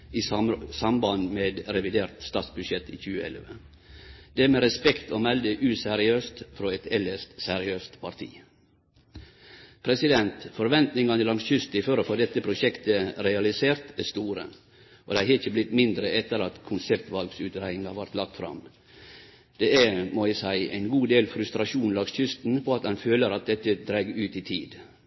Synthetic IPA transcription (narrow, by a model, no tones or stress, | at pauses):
iːsɑmbɑnmeːd̪ɾɛʋɪd̪eːɾt̪st̪ɑːt̪sbʉʃɛt̪ːḭːçʉːəɛ̰lʋə | d̪̥ɛæmeːɾɛspɛkt̪oːmɛld̪əʔʉːsɛɾɪøːst̪fɾoːɛt̪ɛləʂt̪sɛɾɪøːst̪pʰɑɾt̪ʰḭː | pʰɾɛsɪd̪ɛnt̪fɔɾʋɛnt̪nɪŋɑnəlɑŋsçʏst̪ɪføːɾofoːd̪ɛt̪ːəpʰɾʊʃɛkt̪əɾɛɑlɪseːɾt̪æst̪uːɾə̰ | ʔo̰d̪æɪhɛçəblɪt̪mɪnd̪ɾəɛt̪ːəɾɑt̪kʰʊnsɛpt̪ʋɑlɡsʉːt̪ɾæɪɪŋɑʋɑɾt̪lɑk̚t̪fɾɑ̰m | d̪̥eːæmoːɪsæɪæ̰ɪnɡuːd̪eːlfɾʉst̪ɾɑʃuːnlɑɡsçʏst̪n̩pʰoːɑt̪ɑnføːləɾɑt̪̚d̪ɛt̪ːəd̪ɾæɡʉːt̪iːt̪ʰiːd̪